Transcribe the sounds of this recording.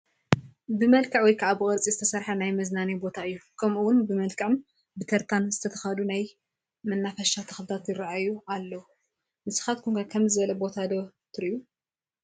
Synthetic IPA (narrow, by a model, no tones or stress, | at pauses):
bɨmɐlkʰɐʕwɔjkʰɐʔabɨɣʼɐɾt͡sʼizɨt̪ʰɐsɐɾħɐnajmɐznanibo̞t̪ʰaɨjːukʰɐmʔuwʊnbɨmɐlkʰʼɨʕɨm | bɨt̪ʰɐɾt̪ʰanzɨt̪ʰɐt̪ʰɐ̥xad̪unaj | mɐnːafɐʃat̪ʰɐxlɨt̪ʰat̪jɪɾʕajːualːɐwu | mɨsɨ̥xat̪̚kʰuŋkakʰɐmzɨβɐlɐbo̞t̪ʰad̪ot̪ʰɨɾiju